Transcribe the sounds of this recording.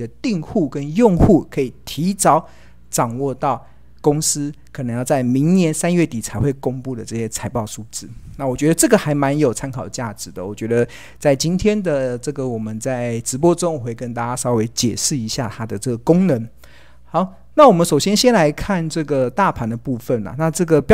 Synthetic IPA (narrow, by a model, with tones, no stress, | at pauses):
d̪ə˨t̪i˥˧ŋxu˥˩kə˦njʊ˥˧ŋxu˥˩kʰɤ˧˦˥i˨˩t̪ʰi˧˥t͡sɑ˥ʊ | ʈ͡ʂɑ˨˩ŋwɔ˥˧t̪ɑ˥˩ʊ | kʊ˥ŋs̩˦kʰə˨˩nə˧˦ŋjɑ˥˧ʊt͡sa˥˩ɪmi˧˥ŋnjɛ˧˦nsa˥˦nɥɛ˥˩t̪i˨˩t͡sʰa˧˥ɪxwe˥˩ɪkʊ˥ŋpu˥˩d̪ə˩ʈ͡ʂɤ˥˩ɕjɛ˥t͡sʰa˧˥ɪpɑ˥˩ʊʂu˥˩t͡sɻ̩˥˩na˥˩wɔ˨˩t͡ɕɥɛ˧˥d̪ə˧ʈ͡ʂɤ˥˩ɡə˨xa˧˥ɪma˧˦njo˨˩ʊt͡sʰa˥nkʰɑ˨˩ʊd̪ə˩t͡ɕja˥˩ʈ͡ʂɻ̩˨˩˦d̪ə˨wɔ˨˩t͡ɕɥɛ˧˥d̪ə˧ | t͡sa˥˩ɪt͡ɕi˥nt̪ʰjɛ˥nd̪ə˨ʈ͡ʂɤ˥˩ɡə˨˩wɔ˨˩mə˨˦nt͡sa˥˩ɪʈ͡ʂɻ̩˧˥p̬wɔ˦ʈ͡ʂo˥ŋ˨˩we˥˩ɪkə˦nt̪a˥˩t͡ɕa˥sɑ˥ʊwe˧˥ɪt͡ɕjɛ˨˩ʂɻ̩˥˩i˧˦ɕja˥˩t̪ʰa˥d̪ə˨ʈ͡ʂə˥˩ɡə˩kʊ˥ŋnə˧˦ŋ | hɑ˧˦ʊ | na˥˩wɔ˨˩mə˨˦nʂo˨˩ʊɕjɛ˥nɕjɛ˥nla˧˦ɪkʰa˥˨nʈ͡ʂɤ˥˩ɡə˩t̪a˥˨pʰa˨˥nd̪ə˨pu˥˧fə˥˩nla̰˨˩na˥˧ʈ͡ʂɤ˥˩ɡə˩p